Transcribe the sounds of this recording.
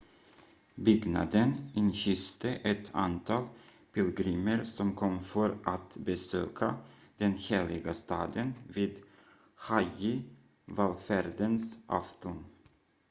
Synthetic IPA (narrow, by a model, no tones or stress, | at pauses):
bʏɡna̰d̪ənɪnɕʏst̪əʔɛt̪ʰa̰nt̪ʰɑːl | pʰɪlɡɾiːməɾsɔmkʰɔmːfœɾʔat̪bɛsøːkʰad̪̥ɛnheːlɪɡast̪ɑːd̪ənviːd̪ | hajɪ | valfæɾd̪ənsʔa̰ft̪ʊn